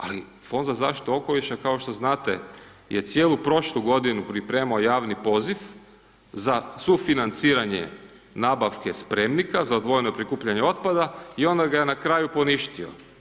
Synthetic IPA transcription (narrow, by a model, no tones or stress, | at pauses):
a̰li | fo̞nd̪zazaːʃt̪i̥t̪uo̞ko̞liʃakaoʃt̪o̞znaːt̪ejet̪sje̞ːlˠupɾo̞ʃlˠuɡo̞d̪inupɾipɾe̞ːmaojaːʋnipo̞zif | zasufinant̪siːɾaɲḛ | naːbaʋkespɾe̞mnikazaod̪ʋo̞jenopɾikuːpʎaɲeo̞t̪pad̪aio̞nd̪aɡajenakɾaːjupo̞niʃt̪io̞̰